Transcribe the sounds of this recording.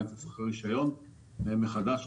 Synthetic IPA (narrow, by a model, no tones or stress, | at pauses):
tasaχaʁiʃajo̞n | emeχad̪aʃ